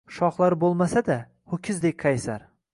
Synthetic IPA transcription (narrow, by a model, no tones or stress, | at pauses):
ʃɒχlˠaɾbolˠmasad̪a | hʊkʲʰɪzd̪ek̚ʲqʰɑjsaɾ